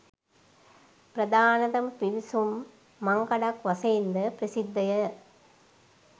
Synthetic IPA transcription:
pɾɐd̪aːnɐðɐmpiʋisumː | ɐŋɡɐɽakʋɐseːnd̪ɐpɾɐsɪd̪ːɐjɐ

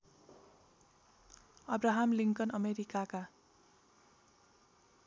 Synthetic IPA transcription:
ʌbraɦamliŋkʌnʌmeɾikaka

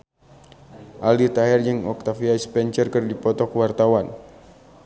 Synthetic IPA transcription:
ʔalit̪aɦɛrd͡ʒəŋɔk̚t̪afiaispɛnt͡ʃərkərdipɔt̪ɔkwart̪awan

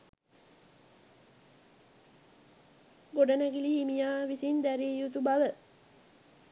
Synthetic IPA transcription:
ɡoɖənæɡiliːmijaːʋisind̪æɾiːjut̪ubaʋə

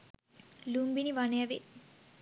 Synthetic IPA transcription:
lumbiniʋɐnejɐʋḛ

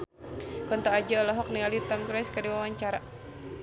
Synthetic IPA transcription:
kɔnt̪ɔad͡ʒaɔlɔɦɔk̚nialit̪amkɾɛskadiwawaɲt͡ʃaɾa

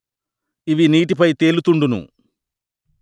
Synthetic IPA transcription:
iʋiniːʈ̬ipɐjt̪e̞ːlut̪uɳɖunṵ

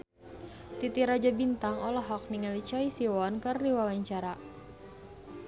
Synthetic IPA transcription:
t̪it̪iɾad͡ʒabint̪aŋɔlɔɦɔk̚niŋalit͡ʃɔisiwɔnkərdiwawaɲt͡ʃaɾa

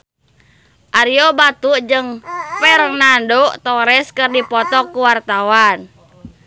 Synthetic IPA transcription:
ʔaɾiɔbat̪uʔd͡ʒɨŋpɛɾŋnandɔʔt̪ɔɾɛskɨrdipɔt̪ɔkːuwart̪awan

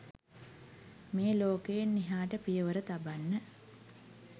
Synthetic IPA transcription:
meːloːkejenːiɦaːʈəpijəʋəɾət̪abanːə

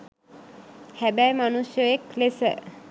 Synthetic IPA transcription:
hæbæjmanusjojeklesə

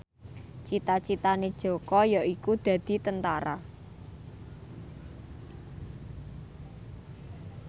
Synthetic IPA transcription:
t͡ʃit̪at͡ʃit̪aned̥ʒ̥o̤kɔjaʔikud̪̥ä̤d̪̥i̤t̪ənt̪aɾa̰

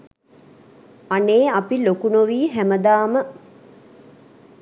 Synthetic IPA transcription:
aneːapilokunoʋiːɦæməd̪aːmə

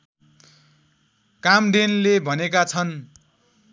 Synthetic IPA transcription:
kamɖ̪enlebʱʌnekat͡sʰʌn

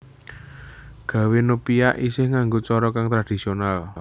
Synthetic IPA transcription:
ɡ̥ä̤wenupiaʔisɪhŋaŋɡot͡ʃɔɾɔkaŋt̪ɾad̥i̤sional

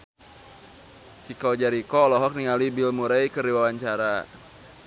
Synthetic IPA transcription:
t͡ʃikɔd͡ʒaɾikɔːlɔɦɔk̚niŋaluibilmuɾajkəɾiwawaɲt͡ʃaɾa

